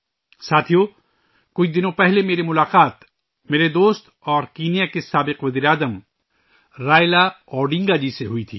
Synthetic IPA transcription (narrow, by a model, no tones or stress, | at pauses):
saːt̪ʰijo | kʊt͡ʃʰd̪ɪnõpɛɦlemeːɾemʊlaːqaːt̪ | meːɾed̪oːst̪ | ɔːɾkiːnijakesaːbɪqʋɐziːɾeaːzəm | ɾaːjlaɔːɖɪ̃ŋɡad͡ʒiseɦʊit̪ʰḭː